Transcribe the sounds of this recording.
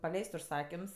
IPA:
pɐˈlʲɛɪsʲtʲ ʊʃˈsɑːkʲɪms

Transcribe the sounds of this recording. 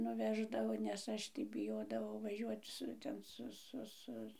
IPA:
nʊˈʋʲæːʒdɐʋoː nʲɛs ˈɐʃ tɐɪ bʲɪˈjoːdɐʋɐʊ ʋɐˈʒʲuɔt ˈsʊ ˈtʲɛn ˈsʊ ˈsʊ ˈsʊ

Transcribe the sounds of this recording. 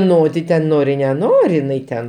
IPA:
ˈnoː tʲɪ ˈtʲɛn ˈnoːrʲɪ nʲɛˈnoːrʲɪ ɪˈnɐɪ tʲɛn

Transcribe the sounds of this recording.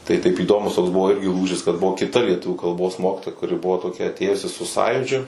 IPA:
tɐɪ tɐɪp iːˈdoːmʊs toːks ˈbʊʋoː ˈɪrʲɡʲɪ ˈlˠuːʒʲɪs kɐt ˈbʊʋoː kʲɪˈtɐ lʲiɛˈtʊʋʲuː kɐlˠˈboːs ˈmoːkʲɪtoːjɛ kʊˈrʲɪ ˈbʊʋoː toːˈkʲɛ ɐtʲˈeːjʊsʲɪ sʊ ˈsɑːjuːd͡ʒʲʊ

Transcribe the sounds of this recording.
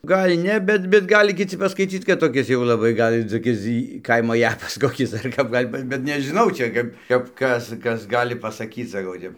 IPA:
ˈɡɐlʲ ˈnʲɛ ˈbʲɛt bʲɛt ˈɡɑːlʲɪ kʲɪˈt͡sʲɪ pɐskɐɪˈt͡sʲiːt͡s kɐt toːˈkʲɪs jɛʊ lˠɐˈbɐɪ ˈɡɐlʲ toːˈkʲɪs ˈkɐɪmoː ˈjæːpɐs ˈkoːkʲɪs dɐr ˈkɐp ˈɡɐlʲ bɐ bʲɛt nʲɛʒʲɪˈnɐʊ ˈt͡ʃʲɛ kɐp kɐp ˈkɐs ˈkɐs ˈɡɑːlʲɪ pɐsɐˈkʲiːt͡s sɐˈkɐʊ ˈtʲɛp

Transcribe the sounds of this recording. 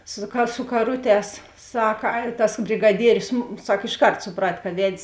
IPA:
sʊ kɐ sʊ kɐˈrʊˌtʲɛːs ˈsɑːkɐ ɐ tɐs bʲrʲɪɡɐˈdʲiɛrʲʊs ˈsɐk ɪʃˈkɐrt sʊˈprɐt kɐ ˈʋʲɛtʲsʲ

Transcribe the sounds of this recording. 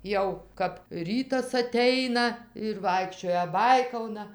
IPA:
ˈjɛʊ kɐp ˈrʲiːtɐs ɐˈtʲɛɪnɐ ɪr ˈʋɐɪkʃʲt͡ʃʲoːjɛ ˈbɐɪkɐʊnɐ

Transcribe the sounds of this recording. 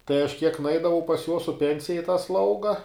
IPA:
tɐɪ ɐʃ kʲiɛk nʊˈɛɪdɐʋɐʊ pɐs joːs sʊ ˈpʲɛnʲsʲɪjɛ ɪ tɑː ˈslˠɐʊɡɐ

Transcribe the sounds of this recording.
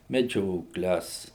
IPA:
mʲɛˈd͡ʒʲoːklʲɛs

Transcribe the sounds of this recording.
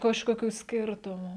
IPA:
kɐʃkoːˈkʲuː ˈsʲkʲɪrtʊmuː

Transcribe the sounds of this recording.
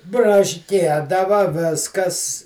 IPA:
brɐʃʲˈkʲiɛdɐʋɐ ˈʋʲɪskɐs

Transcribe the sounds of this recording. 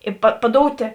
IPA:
ˈɪ pɐ pɐˈdoːʊtʲeː

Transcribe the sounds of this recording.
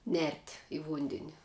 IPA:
nʲɛrʲtʲ ɪ ˈʋʊnʲdʲɛnʲɪ

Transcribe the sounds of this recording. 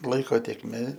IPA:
ˈlˠɐɪkoː tʲeːkˈmʲeː

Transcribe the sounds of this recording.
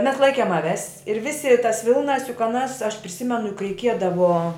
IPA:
mʲɛs ˈlˠɐɪkʲeːm ɐˈʋʲɛs ɪr ˈʋʲɪsʲɪ tɐs ˈʋʲɪlˠnɐs jʊk ɐˈnɐs ɐʃ pʲrʲɪˈsʲɪmʲɛnʊ jʊk rʲɛɪˈkʲiɛdɐʋoː

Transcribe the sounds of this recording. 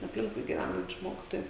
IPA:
ɐpʲˈlʲɪŋkʊɪ ɡʲɪˈʋʲænɐnʲt͡ʃʲʊ ˈmoːkʲɪtoːjʊ

